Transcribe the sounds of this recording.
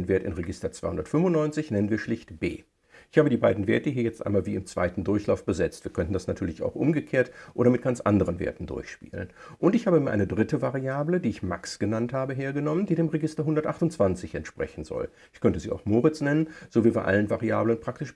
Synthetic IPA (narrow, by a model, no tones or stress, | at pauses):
ənveːɐtɪ̰nʁeɡɪstɐt͡sv̥aɪhʊndɐtfʏmvʊnnɔʏnt͡sɪçnɛnənviːɐʃlɪçtb̥ḛː | ʔɪɪçhaːbədiːbaɪdn̩veːɐtəhiːɐjɛt͡stʔa̰ɪnmaːlviːɪmt͡sv̥a̰ɪtn̩dʊɐçlaʊfb̥əzɛt͡stv̥iːɐkʰœntn̩dasnatʰyːɐlɪça̰ʊxʔʊmɡəkʰeːɐtʔoːɾɐmɪt̚ɡ̥ant͡sʔa̰ndəʁənvḛɐtn̩dʊ̰ɐçʃpḭːlə̰nʔʊntɪçhaːbəmiɐʔa̰ɪnədʁɪtəvaʁiaːblədiːɪçma̰ksɡ̥ənanthaːbəɦeːɐɡənɔməndiːdeːmʁeɡɪstɐɦʊndɐtʔaχtʊnt͡sv̥ant͡sɪçɛ̰ntʃpʁ̥ɛ̰çn̩zɔ̰l | ʔɪçkʰœntəziːa̰ʊxmoːʁɪt͡snɛnənz̥oːviːɐva̰ʔa̰lənvaʁia̰ːblənpʁ̥aktɪʃ